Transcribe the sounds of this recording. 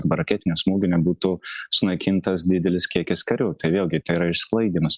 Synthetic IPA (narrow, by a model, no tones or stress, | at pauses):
ɾbɐɾɐkʲɛːt̪ʲɪnʲɛsmoːɡʲɪnʲɛbuːt̪ʊsʊnɐɪkʲɪnt̪ɐsd̪ʲɪd̪ʲɛlʲɪskʲiɛkʲɪskɐɾʲʊt̪ɐɪʋʲeːlˠʲɡʲɪt̪ɐɪɪɾɐɪʃsklˠɐɪd̪ʲiːmɐs